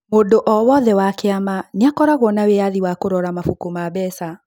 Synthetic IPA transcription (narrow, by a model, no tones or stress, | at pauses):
modoʔɔwɔðɛwakeamaneakɔɾaɣwɔnaweaðiwakoɾɔɾamafukumabɛsa